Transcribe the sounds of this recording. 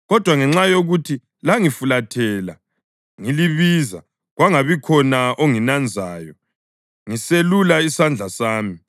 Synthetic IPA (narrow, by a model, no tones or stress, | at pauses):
ɣɔd̥ʱwaŋɛŋ͡ǁajoɣutʰi | laŋifulatʰɛːla | ŋiliβiːza̰ | ɣwaŋaβikʰɔnaoŋinand͡zʱaːjɔ | ŋiselulaisand͡ɮʱasaːmi